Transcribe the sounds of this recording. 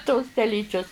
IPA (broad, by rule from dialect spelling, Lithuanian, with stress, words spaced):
toːs tʲɛˈlʲiːt͡ʃʲʊs